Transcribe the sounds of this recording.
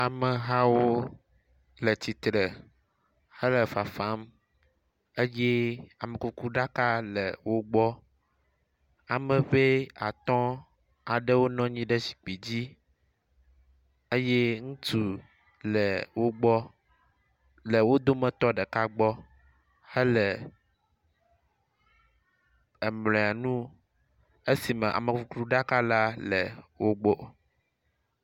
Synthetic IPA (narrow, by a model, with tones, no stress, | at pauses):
a˨mɛ̃˨ɦa˦wo˦ | le˨t͡ɕi˨t̪ɾɛ˨ | hə˦lɛ˨fa˨fa˦m | e˦je˦a˨mẽ˨ku˦ku˦ɖa˦ka˦lɛ̰˨wo˦ɡ͡bɔ˦ | a˨mɛ̃˨ɸe˦a˨t̪ɔ̃˦ | a˨ɖe˦wo˦nɔ̃˦ɲĩ˦ɖe˦si̥˨k͡pi˨d͡ʑi˦ | e˦je˦ŋũ˦t̪u˨ | lɛ˨wo˦ɡ͡bɔ˦ | lɛ˨wo˦d̪o˦mɛ̃˨t̪ɔ˦ɖɛ˨ka˦ɡ͡bɔ˦ | he˦lɛ˨ | ɛ˨mlɛ̃˨a˨nũ˦ | e˦si˨mɛ̃˨ʔa̰˨mẽ˨fu˨klu˦ɖa˦ka˦la˦lɛ̰˨wo˦ɡ͡bɔ˦